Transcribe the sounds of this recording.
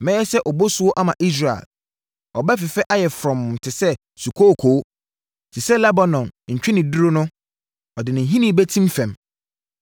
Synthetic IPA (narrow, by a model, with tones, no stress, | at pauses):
mɛ̃˦ɛ˦sɛ˦ʔɔ˨bo˦sʊ˦wɔ˦ʔa˦mã˨ʔi˦s̬ɾa˨ḛ˨l | ɔ˨bɛ˦f̬ɪ˨fɛ˦ʔa˦jɛ˨fɾɔ̃˨m̩˨tʰɪ˨sɛ˦ | su˨kʰo˦˨kʰoː˨˦ | tʰɪ˨sɛ˦lɛ˦ba˨nɔ̃˨nɲ̩˨t͡ɕᶣɪ̃˦nɪ̃˨du˦ɾo˦nʊ̃˦ | ɔ˨dɪ˨nɪ̃˨ɦĩ˦nĩ˨˦bɛ˦tʰĩ˦m˦fɛ̃˨m